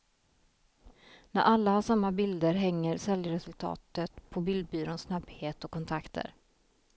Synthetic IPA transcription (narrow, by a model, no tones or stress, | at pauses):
næɾʔalːahaʂamːabɪld̪əɾɦɛŋːəɾsɛljəɾɛsɵlt̪ʰɑ̰ːt̪ət̪pʰɔbɪld̪̚byːɾonsnabheːt̪ɔkʰːɔnt̪ʰakt̪ʰə̰ɾ